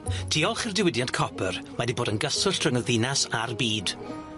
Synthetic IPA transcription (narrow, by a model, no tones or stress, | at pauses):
tʰiːɔlˠχɪrdɪwɪdjantkʰɔpʰərmadiboːdənɡəsʊɬtʰrəŋəðɪnasarbiːd̥